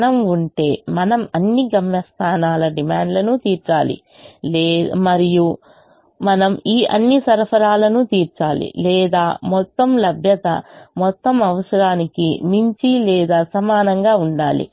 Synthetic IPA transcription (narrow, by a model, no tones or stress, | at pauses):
nɐmuɳʈe̞ːmɐnɐmɐnːiɡɐmjɐst̪ʰaːnaːlɐɖimaːɳɖlɐnut̪iːɾt͡ʃaːlḭ | mɐɾiju | mɐnɐmiːʔɐ̰nːisɐɾpʰɐɾaːlɐnut̪iːɾt͡ʃaːlḭlɛːd̪aːmɔt̪ːɐmlɐbʱjɐt̪ɐ̰mɔt̪ːɐmɐʋɐsɐɾaːnikimiɲt͡ʃilɛːd̪aːsɐmaːnɐŋɡaːuɳɖaːlḭ